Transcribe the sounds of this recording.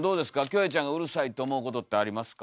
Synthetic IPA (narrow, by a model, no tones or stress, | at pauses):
d̪o̞ːd̪e̞sɨ̥kakʲo̞ːet͡ɕãŋɡaɯ̟ɾɯ̟sait̪ːe̞ːmo̞ɯ̟ko̞t̪ot̪ːeaɾʲimasɨ̥ka